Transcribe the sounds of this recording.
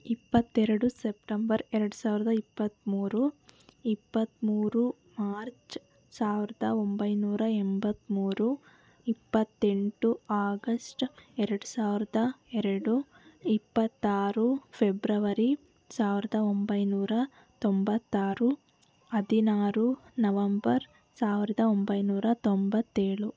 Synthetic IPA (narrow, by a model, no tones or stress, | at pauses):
ipːɐt̪ːɛɾɐɽusep̚ʈɐmbɐɾɛɾɐɽusaːʋiɾɐd̪ɐipːɐt̪muːɾuipːɐt̪ːmuːɾu | maːɾt͡ʃ | saːʋiɾɐd̪ɐombɐjnuːɾɐɛmbɐt̪ːmuːɾu | ipːɐt̪ːe̞ɳʈuaːɡɐsʈɛɾɐɽusaːʋiɾɐd̪ɐɛɾɐɽu | ipːɐt̪ːaːɾupʰebɾɐʋɐɾi | saːʋiɾɐd̪ɐombɐjnuːɾɐ | t̪ombɐt̪ːaːɾu | ɐd̪inaːɾunɐʋɐmbɐɾ | saːʋiɾɐd̪ɐombɐjnuːɾɐt̪ombɐt̪ːeːɭu